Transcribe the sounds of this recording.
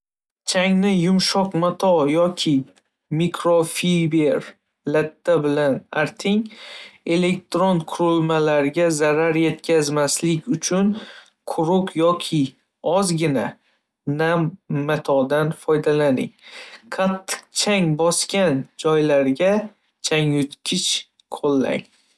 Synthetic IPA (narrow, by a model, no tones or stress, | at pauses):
t͡ʃʰaŋnɪjʊmʃɒqmat̪ʰɒjɒkʲʰɪ | mikʰɾofibeɾ | lat̪ʰːabɪlanaɾt̪ʰɪŋe̞le̞k̚t̪ɾonqʰʊɾʊlˠmalaɾɡʲazaɾaɾje̞t̪kʲʰazmaslɪkʲʊt͡ʃʰʊn | qʰʊɾʊqʰjɒkʲʰɪ | ɒzɡʲɪna | namːat̪ʰɒd̪anfɒjd̪alanɪ̰ŋqʰat̪ʰːɨ̥qt͡ʃʰaŋbɒskʲand͡ʒɒjlaɾɡʲa | t͡ʃʰaŋjʊt̪kʲʰɪt͡ʃ | qʰolˠːa̰ŋ